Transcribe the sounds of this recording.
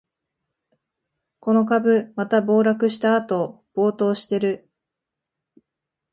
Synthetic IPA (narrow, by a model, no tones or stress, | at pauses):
ko̞no̞k̬abɯ̟mat̪abo̞ːɾakɯ̟ɕi̥t̪aːt̪o̞ | b̥o̞ːt̪o̞ːɕi̥t̪e̞ɾɯ